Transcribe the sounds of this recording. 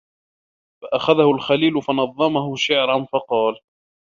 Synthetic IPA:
faʔaxaðahʊlxaliːlʊfɑnɑðˤːɑmahʊʃɪʕɾˤɑnfɑqɑːl

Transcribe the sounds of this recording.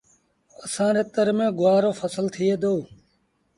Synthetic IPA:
əsãːɾeːt̪əɾmẽːɡʊaːɾoːfʰəsəlt̪ʰɪeːd̪oː

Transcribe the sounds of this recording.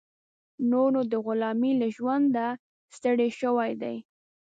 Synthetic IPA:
noɾod̪əɣʊlɑmilaʒwand̪a | st̪əɽeʃəwajd̪aj

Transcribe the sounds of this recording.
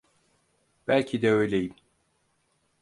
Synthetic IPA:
b̥ælʲcʰid̪ɛø̞jlʲejim

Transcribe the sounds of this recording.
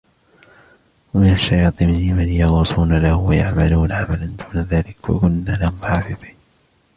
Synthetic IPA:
wamɪnaʃːɑjɑːt̪ˤɨmɪhɪmanjɑɣuːsˤuːnalahʊwajaʕmaluːnaʕamaland̪uːnaðaːlɪkwa̰kʊnːaːlahmħaːfɨðˤi̥ːn

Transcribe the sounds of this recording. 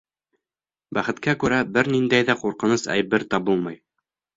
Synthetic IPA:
bæχɘ̆t̪kækʉɾæbɘɾnind̪æjðæquɾqɤ̆nɤsæ̰jβɘɾt̪ɑbulˠmɤj

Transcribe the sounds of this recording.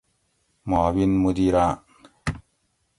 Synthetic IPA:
mɔːwinmud̪iɾaʔ

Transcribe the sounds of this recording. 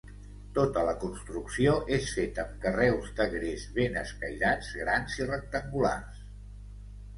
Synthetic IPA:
t̪ot̪ələkunst̪ɾuksioʔesfet̪əmkərɛwzd̪əɣɾezβenəskəjʎad͡zɣɾanzirək̚t̪əŋɡula̰rs

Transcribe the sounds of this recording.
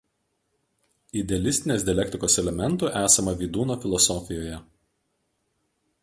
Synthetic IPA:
ɪd̪ʲɛɐlʲɪsʲt̪ʲɪnʲeːsd̪ʲiɛlʲɛkʲt̪ʲɪkoːsɛlʲɛmʲɛnt̪uːˑʔæːsɐmɐʋʲiːd̪uːnoːfʲɪlˠɔsɔfʲɪjoːjɛ

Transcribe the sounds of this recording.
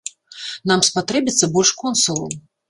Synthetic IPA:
namspat̪ɾɛbʲit̪sːɐbɔlʲʂkɔnsulˠṵm

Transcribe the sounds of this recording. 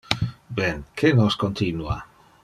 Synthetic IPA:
benkʰenoskont̪inua̰

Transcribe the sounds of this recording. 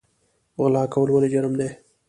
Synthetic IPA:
ɣlɑːkawəlwaled͡ʒaɾmd̪e

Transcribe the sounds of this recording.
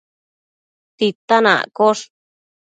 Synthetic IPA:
t̪it̪anã̰ʔkoʂ

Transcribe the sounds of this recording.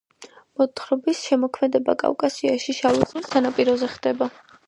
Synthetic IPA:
mɔt̪χɾɔbisʃɛmɔkʰmɛd̪ɛba̰kʼa̰vkʼasiaʃiʃavisilsanapʼiɾɔzɛχd̪̥ɛba

